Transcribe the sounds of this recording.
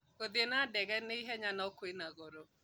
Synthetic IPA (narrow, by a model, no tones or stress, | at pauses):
kodenadeɡeniɦeɲanɔkʊenaɡoɾo